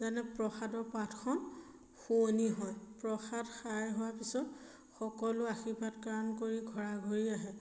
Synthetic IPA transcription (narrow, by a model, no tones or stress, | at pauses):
zanɛpɹɔxadɔɹpatʰkʰɔn | xoniɦɔjpɹɔxadxajɦʊwapisɔt | xɔkɔlʊaxipatkaɹɔnkoɹiɡʱɔɹaɡʱoɹiaɦɛ